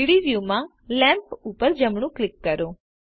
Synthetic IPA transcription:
ɽiʋjumã | lɛ̃mpupəɾd͡ʒəmɳ̃ũklɪkːəɾõ

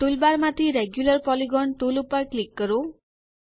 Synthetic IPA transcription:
ʈulbaɾmat̪ʰiɾeɡjulʌɾpɔliɡɔɳʈulupaɾklikːʌɾo

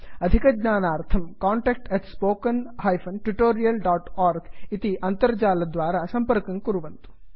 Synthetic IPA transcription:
ɐd̪ʱikɐɡɲaːnaːɾt̪ʰɐmkaːɳʈeːk̚ʈeʈspoːkɐnɦɐːjfʰɐnʈɾuʈoːɾijɐlɖaːʈaːɾɡit̪iʔɐnt̪ɐɾɐd͡ʒaːlɐd̪ʋaːɾasɐmpɐɾkɐŋkuɾuʋɐnt̪u̥

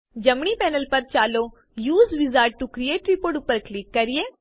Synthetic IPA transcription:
d͡ʒɐmɳ̃ipɛːnəlpɐɾt͡ʃaːloː | juːzʋɪzaːɾʈ̚ʈukɾijeːʈɾipoːɾʈʊpːəɾklɪkːɐɾieː

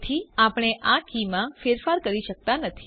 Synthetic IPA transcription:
t̪ʰiapəɽ̃eʔakimãfeɾfaɾkəɾiʃək̚t̪anət̪ʰi

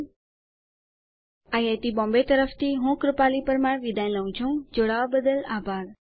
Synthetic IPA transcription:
ajat̪ibɔ̃ːmbet̪əɾəft̪ʰiɦũːkɾɪpaːlipəɾmaɽʋid̪ãj̃ləũt͡ʃʰũd͡ʒoɽaʋbəd̪əlaːbʱaːɾ

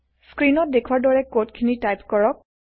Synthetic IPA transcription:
skɹinɔt̚dekʰuwaɹdɔɹɛkotkʰinitajpkɔɹɔk̚

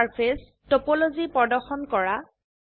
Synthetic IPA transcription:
aɹpʰes | topɔlozipɔdɔɹxɔnkɔɹa

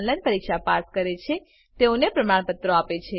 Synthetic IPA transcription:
nlanpəɾikʃapaɾskəɾet͡ʃʰe | t̪eonepɾəmaɳ̃pət̪ːɾoapet͡ʃʰe

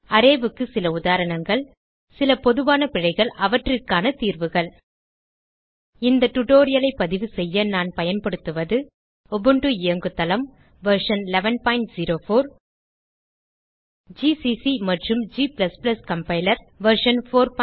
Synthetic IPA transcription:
ɐɾeːʋɯkːɯsɪlɐʊðaːɾɐɳɐŋɡɐɭ | sɪlɐpɔðɯʋaːnɐpɪɻɐɪɣɐɭɐʋɐʈːrɯkːaːnɐt̪iːɾʋɯɣɐɭ | ɪnd̪ɐʈʊʈoːɾɪjɐlɐɪpːɐðɪʋɯsɛjːɐnaːnpɐjɐnpɐɽɯt̪ːɯʋɐðɯ | ɔbɯɳɖɯɪjɐŋɡɯt̪ːɐlɐm | ʋɐɾʂɐnlɛʋɐnpaːɪɳʈziɾoːfoːɾ | d͡ʒiːsisimɐʈrɯmd͡ʒiːpɪlɐsplɐskɐmpɐɪlɐɾ | ʋɐɾʂɐnfoːɾp

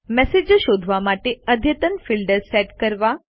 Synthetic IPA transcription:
mɛsed͡ʒʃod̪ʱʋamaʈeəd̪ʱjət̪ənfilɖəɾsɛʈkəɾʋa

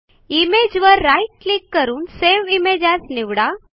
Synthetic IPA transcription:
imed͡ʑʋəɾːajʈ̚klikːəɾuːnseʋimed͡ʑasniʋɽa

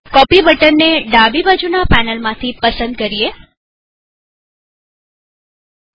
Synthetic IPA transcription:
kɔpibəʈənːeɖabibad͡ʒunapɛnəlmãt̪ʰipəsə̃nd̪̚kəɾie

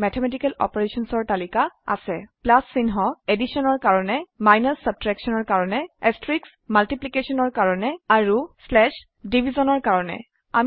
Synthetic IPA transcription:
mɛtʰɛmɛtikɛlɔ̰pɔɹesɔnsɔɹt̪alikaa̰sɛplasːinɦɔedisɔnɔɹkaɹɔnɛmajnasːab̚tɹɛksɔnɔɹkaɹɔnɛestɹiks | maltiplikesɔnɔɹkaɹɔnɛaɹuslɛʃ | dibʱizɔnɔɹkaɹɔnɛ̰ | a̰m

